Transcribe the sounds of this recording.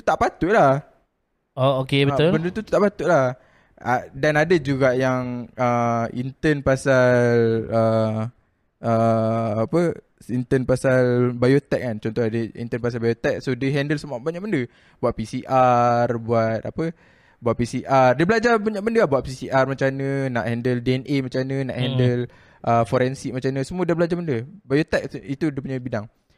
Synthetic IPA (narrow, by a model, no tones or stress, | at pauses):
t̪u̥t̪aʔpat̪uʔlah | ookebəʊlbəndət̪ut̪u̥t̪aʔpat̪uʔlah | ʔadanadəd͡ʒuɡaʔjaŋəḭnt̪ənpasallə | əapə | int̪ənpasalbajot̪ɛk̚kːant͡ʃɔnt̪ɔɦadəḭnt̪ənpasalbajot̪ɛk̚sodəɦɛndəlsəmuaʔbaɲak̚bəndə | buat̪̚pisiʔarbuat̪̚a̰pə | buat̪̚pisiʔardəbəlad͡ʒabaɲak̚bəndəlabuat̪̚pisiʔarmat͡ʃanə̃na̰ʔhɛndəldiɛnʔemat͡ʃanə̃na̰ʔhɛndəl | ʔəfoɾɛnsiʔ̚mãt͡ʃanə̃səmuadabəlad͡ʒabəndəbajot̪ɛk̚it̪udəp̬uɲabidaŋ